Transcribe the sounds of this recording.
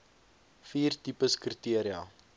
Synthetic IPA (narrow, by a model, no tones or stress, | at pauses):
fiːrtipəskritiəɾiɐ